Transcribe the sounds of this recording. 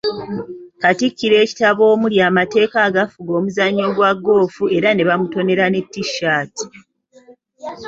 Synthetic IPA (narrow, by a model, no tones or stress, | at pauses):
katikːiɾe̞ːci̥taβo̞ːmuljaːmate̞ːkaːɡafuɡo̞ːmuzaɲːo̞ːɡwaɡːo̞ːfue̞ɾane̞βamuto̞ne̞ɾane̞tːiʃːaːti̥